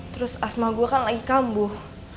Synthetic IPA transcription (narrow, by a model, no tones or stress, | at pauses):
t̪əɾʊsasmaɡuakanlaɡikambʊh